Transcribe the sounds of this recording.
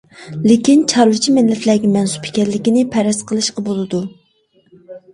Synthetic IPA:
lekʲint͡ʃʰɑɾwɨt͡ʃʰimɪlːɛt̪læːɡʲɛmɛnsu̥pʰɪ̥kʲɛɾlːɪkʲinɪpʰɛɾɛsqʰəlˠɨʃqɑbolˠɨd̪u

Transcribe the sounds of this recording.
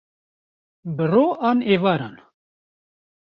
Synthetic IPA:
bɨroːʔɑːneːvaːɾa̰ːn

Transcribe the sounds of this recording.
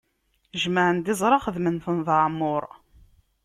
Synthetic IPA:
ʒməʕənd̪ɪzˤɾˤɑχəðmənθənðˤəʕmːʊɾˤ

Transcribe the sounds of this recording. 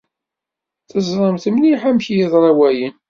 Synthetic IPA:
θəzˤɾˤəmθəmniħamçjiðˤɾˤɑwæjən

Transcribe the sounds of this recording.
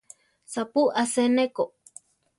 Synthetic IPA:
sapuaseneko

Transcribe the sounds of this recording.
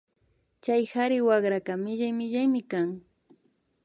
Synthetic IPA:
t͡ʃajhaɾɪwaɢɾakamɪʒajmɪʒajmɪkaŋ

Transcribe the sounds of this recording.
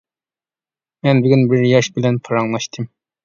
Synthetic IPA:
mɛnbyɡʲynbɪɾjɑʃbɪlɛnpʰɑɾɑŋlˠɑʃt̪ʰɨm

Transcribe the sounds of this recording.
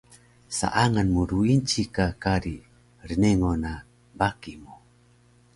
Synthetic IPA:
sa̰ʔaŋanmuɾuint͡ʃikakaɾi | ɾineŋona | bakimu

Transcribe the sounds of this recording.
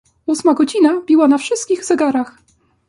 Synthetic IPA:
usmaɡɔd͡ʑinabʲiwanafʂɘst̪̚kʲiɣz̥ɛɡaɾax

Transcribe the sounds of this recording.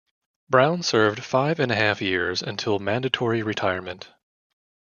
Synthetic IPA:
b̥ɹãʊ̃nsɜ˞vd̥faɪvɨ̃nɨhæfjɪɹzɨ̰̃ntʰɪlˠmæ̃ndɨtʰɔɹiɹɨtʰaɪə˞mɨ̃nt

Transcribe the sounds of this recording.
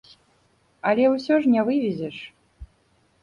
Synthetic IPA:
ɐlʲɛwsʲɔʐnʲɛvɨvʲizʲɛʂ

